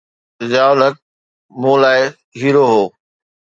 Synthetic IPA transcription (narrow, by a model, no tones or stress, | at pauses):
zaːʊlək̚ | mũːlaːɪ | ɦiːɾoɦoː